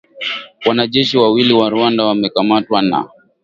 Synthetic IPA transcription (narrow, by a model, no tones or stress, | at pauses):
wanaʄɛʃiwawiliwaɾuandawamɛkamatwana̰